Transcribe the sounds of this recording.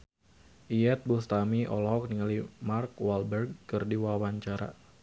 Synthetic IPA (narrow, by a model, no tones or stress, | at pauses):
ʔiɛt̪̚bust̪amiʔɔ̰lɔɦɔk̚niŋalimarkwalbɛrɡ̚kɨrdiwawaɲt͡ʃaɾa̰